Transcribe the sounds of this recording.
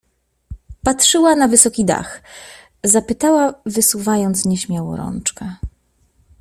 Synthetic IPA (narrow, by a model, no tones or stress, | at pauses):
patʂɘwanavɘsɔkʲid̪a̰x | zapɘt̪awavɘsuvajɔnt̪sɲɛɕmʲjawɔ̰ɾɔ̰nt͡ʂkɛ